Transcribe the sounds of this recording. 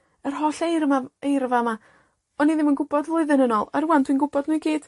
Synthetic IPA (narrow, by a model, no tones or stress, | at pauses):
ər̥ɦɔɬejɾəmaejɾəvama | ɔniðɪmənɡʊbɔdvlˠʊɨðənənɔlˠaɾuwand̥ʰwinɡʊbɔdnuɨjɡiːd̥